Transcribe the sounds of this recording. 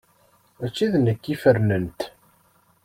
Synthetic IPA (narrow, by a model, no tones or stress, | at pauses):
æt͡ʃːiðnəkːifəɾnənt̪